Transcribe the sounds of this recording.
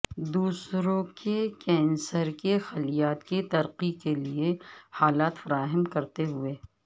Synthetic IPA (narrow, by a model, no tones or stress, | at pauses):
d̪uːsɾõkʰekɛ̃ːnsəɾkexɐlijaːt̪kit̪ɐɾqikeliehaːlaːt̪fɐɾaːɦəmkɐɾt̪eɦʊeː